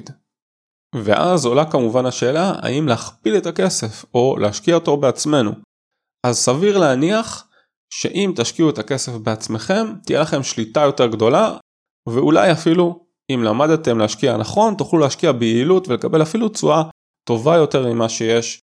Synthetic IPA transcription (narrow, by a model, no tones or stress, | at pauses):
d | ve̞̰ʔa̰zo̞lakamuvanaʃe̞ːlaa̰imleaχpilet̪ake̞se̞fo̞lʔeaʃkiaot̪obeat͡sme̞nṵ | ʔazsaviʁleaniaχ | ʃe̞̰ʔimt̪aʃkiuet̪ake̞se̞fbeat͡sme̞χe̞mt̪ijelaχe̞mʃlit̪ajo̞te̞ʁɡd̪o̞la | veula̰jafilu | imlamad̪t̪e̞mleaʃkianaχo̞nt̪uχluleːʃkiabeilut̪ve̞lekabe̞lafilut͡sua | t̪o̞vajo̞te̞ʁmimaʃe̞je̞ʃ